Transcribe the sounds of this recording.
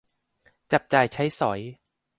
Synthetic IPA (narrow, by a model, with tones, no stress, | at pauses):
t͡ɕa˨˩p̚t͡ɕaː˨˩jt͡ɕʰa˦˥jsɔ˩˦j